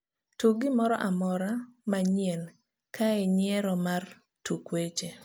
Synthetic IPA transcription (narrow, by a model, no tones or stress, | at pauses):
tuɡɪmɔɾɔ̰ʔamɔɾamaɲiɛn | kʰaɛɲɪɛɾɔmar | tukwet͡ʃe